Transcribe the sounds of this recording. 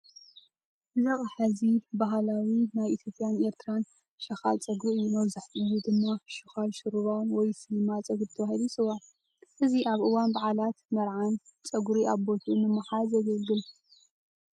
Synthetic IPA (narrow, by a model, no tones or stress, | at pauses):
zaχʼħazibaɦlawinajit̪ʰjo̞pʼjane̞ɾt̪ʰɨɾan | ʃɐxa̰lt͡sʼɐɡuʔɨjːunɐwzɨħt̪ʼɨwud̪ɨmːaʃɨxalʃɨɾuβawnwɔjsɨlmat͡sʼɐɡubt̪ʰɐwahilusɨwaʕ | ʔɨziʔaβʔɨwanbaʕalat̪mɐɾʕant͡sʼɐɡuɾiʔaβbo̞t̪ʰumɨmːɨħalzɐɡɐlɡɨl